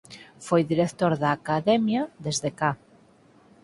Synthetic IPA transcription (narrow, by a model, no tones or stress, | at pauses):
fojðiɾekt̪oɾðaːkaðɛmjaðezðeka